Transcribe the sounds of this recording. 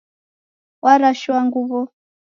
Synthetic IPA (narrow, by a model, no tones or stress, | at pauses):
wʔaɾaʃuwaŋɡuβɔ